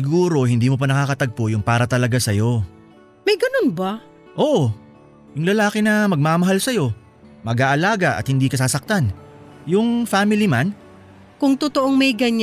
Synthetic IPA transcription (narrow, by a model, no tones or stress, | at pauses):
ɪɡuːɾo̞ɦɪnd̪iːmop̬ɐnɐkaːkɐt̪ɐɡ̚pojʊŋpaːɾɐt̪ɐlɐɡasɐjo̞ | mɐjɡɐnonba | ʔo̞ːʔo | jʊŋlɐlaːkɛnɐmɐɡ̚maːmɐɦalsɐjo̞ | mɐɡaːʔɐlaːɡɐʔɐ̰t̪̚hɪnd̪iːkɐsaːsɐk̚t̪anjʊŋfaːmɪliman | kʊŋt̪ʊt̪oʔoŋmɐjɡɐɲ